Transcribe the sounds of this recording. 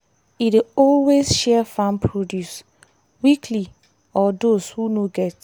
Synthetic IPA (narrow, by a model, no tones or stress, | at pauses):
ideɔlwesʃɛfãnpʰɹodjus | wikʰli | ɔdoshunoɡɛt